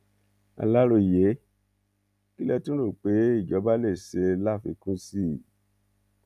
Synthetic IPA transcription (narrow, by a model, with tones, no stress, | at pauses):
a̰˧la˦ɾo˧˨je˨˦ | ki˦lɛ˧tũ˦ɾo˦˨k͡pe˨˦i˦˨d͡ʒɔ˨˦ba˦le˦˨se˧la˦˨fi˧kũ˦si˦˨